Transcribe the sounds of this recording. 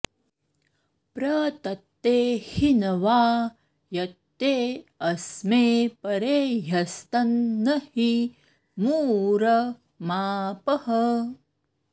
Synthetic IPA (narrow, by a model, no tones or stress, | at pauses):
pɾɐt̪ɐt̪ːeːhinɐʋaː | jɐt̪ːeːɐsmeːpɐɾeːjɐst̪ɐnːɐhi | muːɾɐ | maːpɐhɐ